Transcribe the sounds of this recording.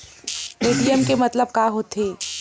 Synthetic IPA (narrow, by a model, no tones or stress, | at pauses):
meɖijəmkemɐt̪ləb̚kaːɦoːt̪ʰeː